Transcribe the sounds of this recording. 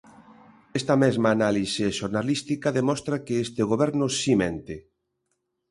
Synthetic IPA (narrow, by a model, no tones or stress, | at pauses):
est̪ɐmezmaːnaliseʃoɾnalist̪ikaðemɔst̪ɾakeest̪eɣ̞oβɛɾnʊsimẽnt̪e